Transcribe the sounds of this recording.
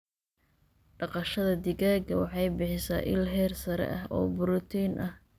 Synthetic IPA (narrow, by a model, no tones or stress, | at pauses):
ɖɑqɑʃɐðɐd̪ɪɣaːɡɐwɑħɑjbɪħɪsa̰ːʔɪ̰lɦɛːrsɐɾɛ̰ʔɐɦɔ̰ːbʊɾʊt̪ʰinʔɐh